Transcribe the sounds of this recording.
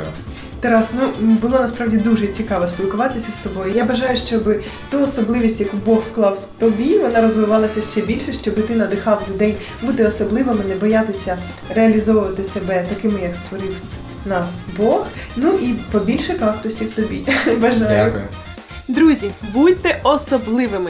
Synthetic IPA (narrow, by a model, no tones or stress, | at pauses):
t̪ɛɾɑsnubʊlˠɔnɐspɾɑwdʲid̪uʒɛt͡sʲikɑʋɔsʲpʲilˠkʊʋɑt̪ɪsʲɐst̪ɔbɔjʊjabɐʒɑjʊʃt͡ʃɔbɪ | t̪uɔsɔblˠɪʋʲisʲtʲjɐkubɔxfklˠɑwt̪ɔbʲiʋɔnɑɾɔzʋɪʋɑlˠɐsʲɐʃt͡ʃɛbʲilʲʃɛʃt͡ʃɔbɪt̪ɪnɐd̪ɪxɑwlʲʊd̪ɛj | but̪ɪɔsɔblˠɪʋɪmɪnɛbɔjat̪ɪsʲɐ | reɐlʲizɔʋʊʋɐt̪ɪsebɛt̪ɐkɪmɪjɐkst̪ʋɔɾɪw | nɑsbɔxnuʔipɔbʲilʲʃɛkɑkt̪ʊsʲiwt̪ɔbʲḭʋɐʒɑjʊ | d̪ɾuzʲibut̚ʲt̪ːɛʔɔsɔblˠɪʋɪmɪ